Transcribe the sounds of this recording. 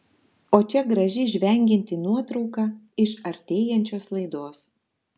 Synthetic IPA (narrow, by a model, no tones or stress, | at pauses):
oːt͡ʃʲɛɡɾɐʒʲɪʒʲʋʲɛˑŋʲɡʲɪnʲt̪ʲɪnuɔt̪ɾɒʊkɑː | ɪʃɐɾʲt̪ʲeːjɛnʲt͡ʃʲoːslˠɐɪd̪oːs